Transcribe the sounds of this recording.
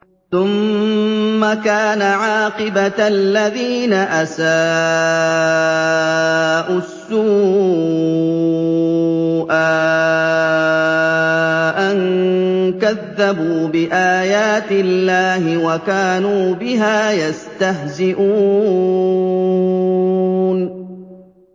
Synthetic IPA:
θʊmː | akaːnaʕaːqɨbalːaðiːnaʔasaː | ʔʊsːuː | ʔa | ʔan | kaðːabuːbɪʔaːjaːt̪ɪlːaːhɪwakaːnuːbɪɦaːjast̪aɦzɪʔuː | n

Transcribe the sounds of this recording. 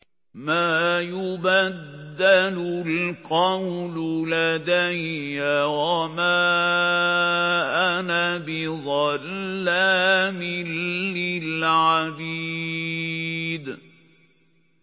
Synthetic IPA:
maːjʊbad̪ːalʊlqɑwlʊlad̪ajːawamaː | ʔanabɪðˤɑlːaːmɪlːɪlʕabiː | d̪

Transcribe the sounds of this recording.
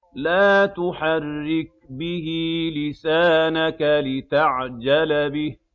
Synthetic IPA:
laːt̪ʊħarːɪk̚bɪhilɪsaːnakalɪt̪aʕd͡ʒalbɪh

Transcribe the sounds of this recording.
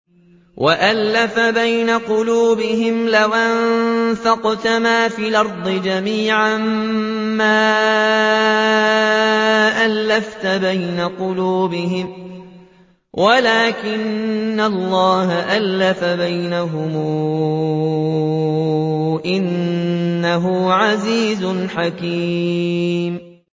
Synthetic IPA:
wʔaʔalːafabajnaqʊluːbɪɦɪmlawʔanfɑqt̪amaːfiːlʔɑɾˤd̪ˤɨd͡ʒamiːʕammaː | ʔalːaft̪abajnaqʊluːbɪɦɪm | wʔalaːkɪnːallˤːɑːɦaʔalːafabajnaɦʊmuː | ʔɪnː | aɦʊʕaziːzʊnħakiː | m

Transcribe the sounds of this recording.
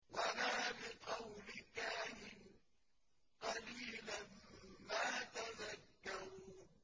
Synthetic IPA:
walaːlɪqɑwlɪkaːʔɪn | qɑliːlanmaːt̪azakːaɾuː

